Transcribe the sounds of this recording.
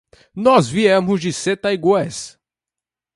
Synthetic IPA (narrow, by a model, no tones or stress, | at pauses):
nɔzviɛmʊzd͡ʒɪset̪ɐiɡwɛs